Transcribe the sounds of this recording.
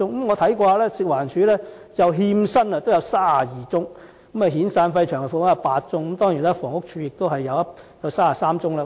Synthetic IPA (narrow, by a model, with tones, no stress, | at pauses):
ʊ˥ŋkmŋɔː˨˧t̪ʰɐ˨˥jkɔː˧haː˧lɛː˥sɪ˨k̚waː˨˩nt͡ʃʰyː˨˥lɛː˥ | jɐ˨wɦiː˧msɐ˥nɐ˧t̪o˥wjɐ˧wsaː˥a˨jiː˨t͡sʊ˥ŋ | kɐ˨˥mɐ˨ɦiː˨˥nsaː˧nfɐ˧jt͡ʃʰœː˨˩ŋkɛ˨˩fʊ˨wjɐ˨˧paː˧t̚t͡sʊ˥ŋkmt̪ɔː˥ŋjiː˨˩naː˥fɔː˨˩ŋʊ˥k̚t͡ʃʰyː˨˧jɪ˨k̚t̪o˥wɦɐ˨jːɐ˨˧wɐ˥ | jɐ˨˧wsaː˥a˨˩saː˥mt͡sʊ˥ŋlɐː˧